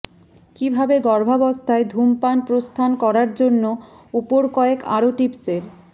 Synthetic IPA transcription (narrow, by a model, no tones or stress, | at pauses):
kibʱabeɡɔɾbʱabɔst̪ʰaed̪ʱumpanpɾost̪ʰankɔɾaɾd͡ʑonːo | upoɾkɔeka̰ɾoʈipseɾ